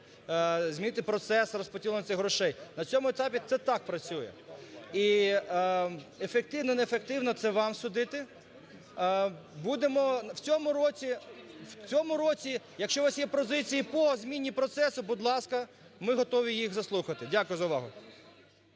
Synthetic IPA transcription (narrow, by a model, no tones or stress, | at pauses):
zʲmʲinɪt̪ɪpɾɔt̪sɛsrɔspɔtʲilˠɔnɔt̪sɪxɦɾɔʃɛjnɐt͡sʲɔmʊet̪ɑpʲit̪sɛt̪ɑk̚pɾɐt͡sʲujɛ̰i | efek̚t̪ɪwnɔinɛefek̚t̪ɪwnɔt̪sɛʋɑmsʊd̪ɪt̪ɪ | bud̪emɔwt͡sʲɔmʊɾɔt͡sʲiwt͡sʲɔmʊɾɔt͡sʲi | jɐkʃt͡ʃɔʋɑsjɛpɔzɪt͡sʲijipɔzʲmʲinʲːipɾɔt̪sɛsʊbʊd̪lˠɑskɐ | mɪɦɔt̪ɔʋʲijixzɐslˠuxɐt̪ɪdʲakʊjɛzɐʊʋɑ̰ɦʊ